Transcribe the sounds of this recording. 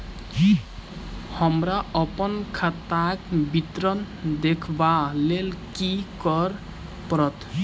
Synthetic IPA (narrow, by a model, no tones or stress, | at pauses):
hʌmɾaʌpʌnkʰat̪akbit̪ɾʌn | d̪ekʰbalelkikʌɾ | pɾʌt̪